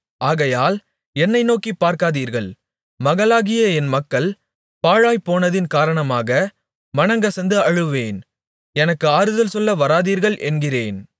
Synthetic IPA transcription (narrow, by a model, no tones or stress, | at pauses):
ʔaːɣɐjaːl | ɛnːɐɪnoːkːipːaːɾkaːðiːɾɣɐɭ | mɐɣɐlaːɣɪjɐɛnmɐkːɐɭ | paːɻaːjpoːnɐðɪnkaːɾɐɳɐmaːɣɐ | mɐnɐŋɡɐsɐnd̪ɯɐɻɯʋeːn | ɛnɐkːɯaːɾɯðɐlsɔlːɐʋɐɾaːðiːɾɣɐɭʔɛ̰nɡɪreːn